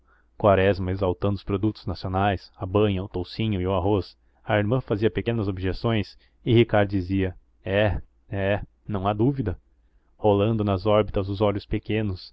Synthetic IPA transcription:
kwaɾɛzmɐezawt̪ɐ̃nd̪ʊspɾod̪ut̪ʊ̥znasionajsɐbɐ̃ɲɐʊt̪owsĩɲʊɪʊaɦos | ɐiɾmɐ̃faziɐpekẽnɐzobiʒesõj̃s | ɪhikaɾd̪ʊd͡ʒiziɐ | ɛ | ɛ | nɐ̃w̃ad̪uvid̪ɐ | holɐ̃nd̪ʊnɐzɔɾbit̪ɐzʊzɔʎʊspekẽnʊs

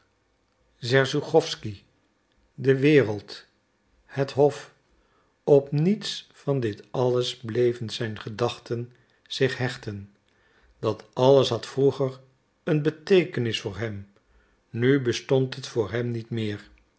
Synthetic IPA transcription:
zɛɹzuχɔfski | dəʋɪːrəlˠt | hətɦɔf | ɔpnitsfɑndɪtɑləzblejvənzɛjnχədɑχtən | z̥ɪχɦɛχtən | d̥ɑtɑləsɦɑtfruχəɹ | ənbətejkənɪsfʊːɹɦɛm | nybəstɔntɦətfʊːɹɦɛmnitmɪːɹ

